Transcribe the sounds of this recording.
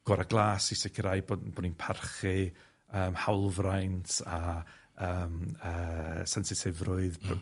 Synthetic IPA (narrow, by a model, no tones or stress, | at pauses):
ɡ̥ɔɾaɡlˠaːsisɪkʰəɾajbobɔdninpʰarχɨ | əːmhawlˠvrajntʰa | əːməːsɛnsɪsʰɪvrʊɨðpʰ